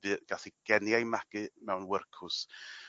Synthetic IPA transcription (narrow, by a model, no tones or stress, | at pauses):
vɨːɡ̥aɬiɡ̥ɛnjajmaɡ̥ɨmɛwnwərkʰʊs